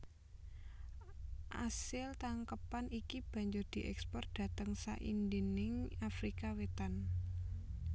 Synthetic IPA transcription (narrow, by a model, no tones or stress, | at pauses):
ʔasɪlt̪aŋkəpanikib̥a̤ɲd͡ʒʊrd̪̥i̤ʔɛkspɔr̚d̪̥ä̤t̪əŋsa̰ʔḭndenɪŋafɾikawet̪an